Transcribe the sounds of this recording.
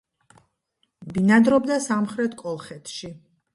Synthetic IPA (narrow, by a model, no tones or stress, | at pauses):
binad̪ɾɔbd̪asamχɾɛt̪ʰkʼɔlˠχɛt̪ʰʃi